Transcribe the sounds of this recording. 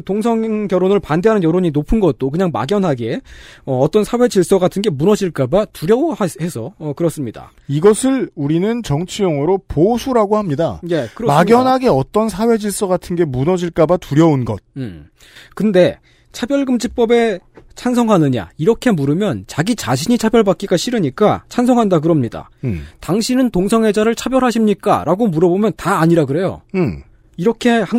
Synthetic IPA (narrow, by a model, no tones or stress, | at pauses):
toŋsʰʌŋŋkjʌɾonɯɭpandeɦanɯnjʌɾoɲinopʰɯnɡʌt̚t͈okɯɲaŋma̰ɡjʌnɦaɡe̞ʌːt͈ʌnsʰawe̞d͡ʑiɭs͈ʌɡatʰɯnɡe̞munʌd͡ʑiɭk͈abatuɾjʌahe̞sʰʌːkɯɾʌs͈ɯmɲida̰ | iɡʌsʰɯɭuɾinɯnt͡ɕʌŋt͡ɕʰijʌŋɯɾoposʰuɾaɡohamɲida̰jekɯɾʌmaɡjʌnɦaɡe̞ʌt͈ʌnsʰawe̞d͡ʑiɭs͈ʌɡatʰɯnɡe̞munʌd͡ʑiɭk͈abatuɾjʌunɡʌt̚ | kɯnde̞ | t͡ɕʰabjʌɭɡɯmd͡ʑip͈ʌbe̞t͡ɕʰansʰʌŋɦanɯɲa̰iɾʌkʰe̞muɾɯmjʌnt͡ɕaɡit͡ɕaɕʰiɲit͡ɕʰabjʌɭbak͈iɡaɕʰiɾɯɲik͈at͡ɕʰansʰʌŋɦandaɡɯɾʌmɲida̰taŋɕʰinɯntoŋsʰʌŋɦe̞d͡ʑaɾɯɭt͡ɕʰabjʌɾɦaɕʰimɲik͈a̰ɾʔaɡomuɾʌbomjʌntaːɲiɾaɡɯɾe̞jo̰ | iɾʌkʰe̞h